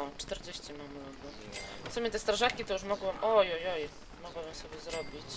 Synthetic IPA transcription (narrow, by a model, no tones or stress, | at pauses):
ɔt͡ʂt̪ɛɾd͡ʑeɕt͡ɕimamlɔɡ̪ɔ | t̪ɔmʲit̪ɛst̪ɾaʐakʲit̪ɔuʂmɔɡwmʔɔjɔjɔj | mɔɡwabɨmsɔbʲjɛzɾɔbʲit͡ɕ